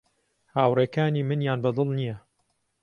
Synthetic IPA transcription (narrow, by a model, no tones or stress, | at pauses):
haːwreːkaːniːmɨnjaːnbɐd̪ˤɨlˠnijɐ